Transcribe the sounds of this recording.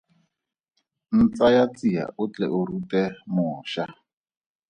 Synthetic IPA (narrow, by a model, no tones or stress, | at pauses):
n̩t͡sajat͡sija̰ʊt͡ɬɛ̰ʔʊrutʼɛmʊːʃa